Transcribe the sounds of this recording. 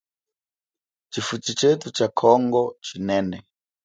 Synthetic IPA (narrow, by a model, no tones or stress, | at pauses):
t͡ʃʰifut͡ʃit͡ʃetʰut͡ʃakʰɔŋɡɔt͡ʃʰinɛːnɛ